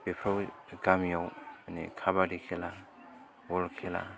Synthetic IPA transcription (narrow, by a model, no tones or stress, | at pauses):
bepʰɾɔwɡamijawanḛkʰabaɾikʰela | wɔlkʰela̰